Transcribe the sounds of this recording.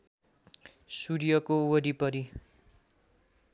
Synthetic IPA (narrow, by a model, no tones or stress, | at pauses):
suɾjʌkowʌɾipʌɾi